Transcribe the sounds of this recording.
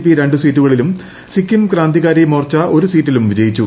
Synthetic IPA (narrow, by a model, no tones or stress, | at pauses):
piɾe̞ɳɖusiːtːuɣɐɭilum | sikʲːimkraːnd̪iɣaːɾimoːrt͡ɕːɐʔo̞ɾusiːtːilumʋid͡ʑɐjit͡ɕːu